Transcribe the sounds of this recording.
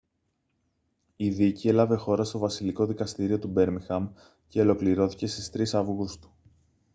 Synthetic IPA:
iðicie̞lɐve̞xo̞ɾɐst̪o̞vɐsiliko̞ðikɐst̪iɾio̞t̪ube̞ɾmixɐm | ce̞o̞lo̞kliɾo̞θi̥ce̞st̪i̥st̪ɾisɐvuɣust̪u̥

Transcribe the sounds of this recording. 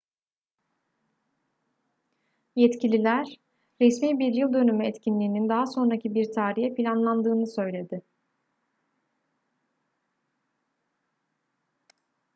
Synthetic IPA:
jɛt̪cʰilʲilʲæɾ̥ː | ɛsmiːbiɾjɯlˠd̪ø̞nymyɛt̪cʰinlʲiːnind̪aɦaso̞nɾacʰibiɾt̪ʰaːɾijɛpʰilʲanlˠand̪ɯːnɯsø̞jlʲe̞d̪ɪ

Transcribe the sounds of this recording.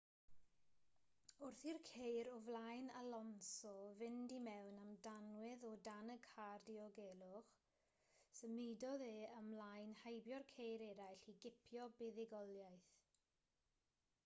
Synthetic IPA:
ʊrθirkʰejɾɔvlˠajnalɔnsɔvɪndimɛwnamdanwɪðɔdanəɡʰhardiɔɡɛːlˠʊχ | səmejdɔðeəmlajnhajbjɔrkʰejɾɛɾajɬiɡɪpʰjɔbɪðɪɡɔlˠjajθ

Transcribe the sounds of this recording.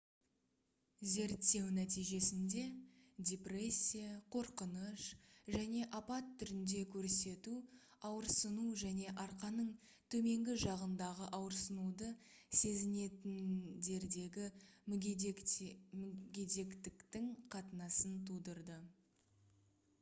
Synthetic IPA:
ze̞ɾt̪ːe̞wnæt̪ijʒe̞sɪnd̪e̞d̪ʲepre̞sʲːijaqʰo̞ɾqənəʃʒæne̞ʔɑpɑt̪ʰːʏɾɪnd̪e̞kʲʰɵɾse̞t̪u | ɑwəɾsənuʒæne̞ʔɑɾqɑnəɴ | t̪ʰɵme̞ŋɡʲɪʒɑʁənd̪ɑʁəʔɑwəɾsənud̪ə | se̞zɪne̞t̪ɪnd̪e̞ɾd̪e̞ɡʲɪ | ɡʲe̞d̪e̞kt̪ɪkt̪ɪŋqʰɑt̪ənɑsənt̪ʰud̪əɾd̪ə

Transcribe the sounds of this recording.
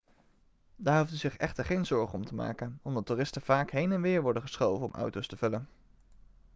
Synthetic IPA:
daːɹɦufdyzɪχɛχtəɹχejnzɔɹχəɔmtʰəma̰ːkənɔmdɑtuːrɪstəv̥aːkɦejnɛnʋɪːɹʋɔɹdəχəsχowvənɔmʔʌ̰wtowstəv̥ɵlən

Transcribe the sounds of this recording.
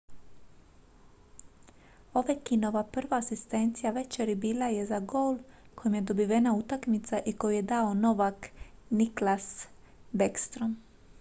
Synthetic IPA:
o̞ʋekino̞ʋapr̩ʋaːsist̪e̞nt̪sijaʋe̞t͡ʃeɾibiːlaje̞zaɡolko̞jimje̞d̪o̞biʋenaut̪akmit̪saʔiko̞juje̞d̪aono̞ʋakniklas | bekst̪ɾom

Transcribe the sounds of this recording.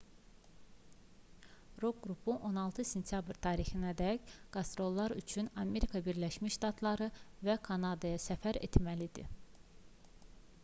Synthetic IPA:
ɾo̞ɡɾupʰuʔo̞nɑlˠt̪ʰɯse̞nt̪ʰjɑbɾt̪ʰɑːɾixinæd̪æcɡ̥ɑst̪ɾo̞lˠːɑɾyt͡ʃʰynɑme̞ɾikʰɑbiɾlæʃmiʃʃt̪ɑt̪ʰlˠɑɾɯvækʰɑnɑd̪ɑjɑsæfæɾḛt̪mælid̪ḭ

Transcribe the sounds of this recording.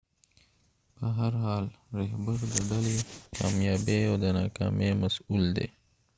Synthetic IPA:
b̥əɦɐɾɦaːlɾeɦbəɾd̪əɖɐleka̰ːmjɑːbeod̪ənaːkɑ̰ːmemɐsuːld̪ḛː

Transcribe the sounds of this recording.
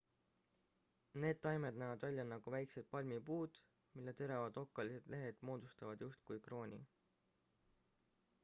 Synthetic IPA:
ne̞ːd̪̚t̪ːɑjmed̪̥næːvɑd̪vælʲjɑnɑɡ̥uvæjkse̞t̪̚pɑlʲmipuːd̪̥ | milːet̪e̞ɾɑvɑd̪̥o̞kːˑɑlise̞d̪̥le̞ɦe̞d̪̥mo̞ːd̪̥ust̪ɑvɑd̪̥just̪̚kujkro̞ːnʲḭ

